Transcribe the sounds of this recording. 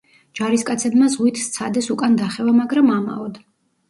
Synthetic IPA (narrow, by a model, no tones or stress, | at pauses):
d͡ʒ̥aɾiskʼat̪sʰɛbmazʁwit̪ʰst̪sʰad̪ɛsukʼand̪aχɛvamaɡɾamama̰ɔd̪a